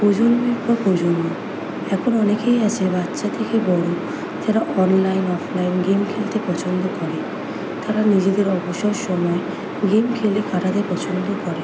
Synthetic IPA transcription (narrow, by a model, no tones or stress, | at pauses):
pod͡ʒonbikbapod͡ʒono | ɛkʰonɔnekejat͡ɕʰebat̪ːʃat̪ʰekebɔɽo | d͡ʒaɾaʔɔnlajnɔpʰlajnɡemkʰelt̪epɔt͡ʃʰond̪okɔɾe | t̪aɾanid͡ʑed̪eɾɔboʃɔɾʃɔmɔe | ɡemkʰelekʰaʈad̪epɔt͡ʃʰond̪okɔɾe